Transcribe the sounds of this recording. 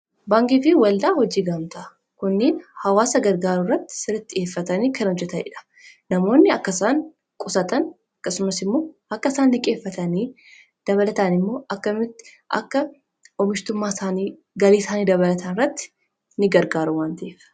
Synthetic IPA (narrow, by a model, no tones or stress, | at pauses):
baːŋɡɪfiwɐld̪aːhɔd͡ʒiːɡɐmt̪ɐ | kʊnːeːnhɐwaːsɐɡɐɾɡaːɾʊrːɐt̪ːɪ̥sɪɾɐt̪ːɪe̞ːfːɐt̪ɐniːkʰɐnhɔd͡ʒːɛt̪ɐnɪ̰ᶑɐ̥ | nɐmo̞ːnːɪɐkːɐsaːŋ | kʼʊsɐt̪ɐn | ɐkːɐsʊmɐsɪmːo̞ːɐkːɐsaːnːɪkʼe̞ːfːɐt̪ɐniː | d̪̥ɐβɐlɐt̪ɐnɪmːo̞ːʔɐkːɐmɪt̪ːɪ̥ | ʔɐ̰kːɐ | ɔmɪʃt̪ʊmːaːsaːniː | ɡɐliːsaːniːd̪ɐβɐlɐt̪ʰɐnɪrːɐt̪ːɪ̥ | nɪɡɐɾɡaːɾʊwaːnt̪ɐʔeːf